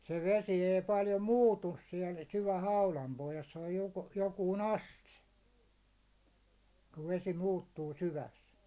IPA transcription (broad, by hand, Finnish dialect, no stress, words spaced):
se ʋesi ei pɑljo muːtus siɛl syʋæ hɑulɑm pohjɑs se oj jo jokuːn ɑste kuʋ ʋesi muːtːuː syʋæs